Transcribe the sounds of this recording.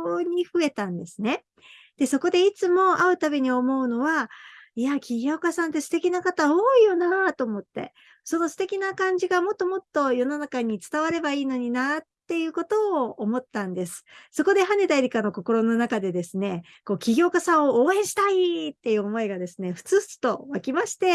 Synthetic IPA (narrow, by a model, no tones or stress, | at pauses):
ɲ̟iɸɯ̟e̞t̪ãnd̪e̞sɨne̞ | d̪̥e̞so̞ko̞d̪e̞it͡sɨmo̞aɯ̟t̪abe̞ɲ̟io̞mo̞ɯ̟no̞βaiakʲiɡʲo̞ːkasãnt̪e̞sɨ̥t̪e̞kʲinakat̪aoːijo̞nat̪o̞ːmo̞t̪ːe̞̰ | so̞no̞sɨ̥t̪e̞kʲinakãɲ̟d͡ʑiɡamo̞t̪ːo̞mo̞t̪ːo̞jo̞no̞nakaɲ̟it͡sɨ̥t̪aβaɾe̞baiːno̞ɲ̟inatt̪ːe̞jɯ̟ːko̞t̪o̞ːmo̞t̪ːãnd̪e̞sɨ̥so̞ko̞d̪e̞ɦane̞d̪aiɾʲikano̞ko̞ko̞ɾo̞no̞nakad̪e̞d̪e̞sɨne̞ | ko̞ːkʲiɡʲo̞ːkasãɰ̃ooːẽ̞ɕi̥t̪ait̪ːe̞jɯ̟ːomo̞iɡad̪e̞sɨne̞ɸɯ̟̥t͡sɨɯ̥t͡sɨ̥t̪o̞βakʲimaɕi̥t̪e̞